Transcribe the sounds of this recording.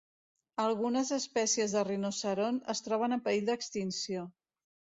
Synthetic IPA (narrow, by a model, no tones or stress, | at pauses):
əlˠɣunəzəspɛsiəzðərinosəɾonəst̪ɾɔβ̞ənəmpəiʎd̪əkst̪insio